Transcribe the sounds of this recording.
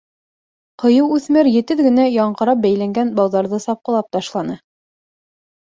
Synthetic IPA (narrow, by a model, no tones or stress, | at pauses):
qɤ̆jɤwʉθmæɾjɘ̆t̪ɘðɡɘ̆næjɑɴqɤ̆ɾɑp̚bæjlæŋɡænbɑlˠðɑɾðɤsɑp̚qɤ̆lˠɑp̚t̪ɑʃlˠɑnɤ